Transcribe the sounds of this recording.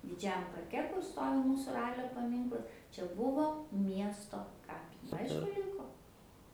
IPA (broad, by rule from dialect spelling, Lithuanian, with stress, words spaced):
dʲɪˈd͡ʒʲæːjɛm pɐrʲˈkʲɛ kʊr ˈstoːʋʲɪ ˈmuːsʊ ˈrɑːlʲoː pɐˈmʲiːŋklˠɐs t͡ʃʲɛ ˈbʊʋoː ˈmʲiɛstoː ˈkɑːpʲɪ ˈɐɪʃkʊ ˈrʲɪŋkoː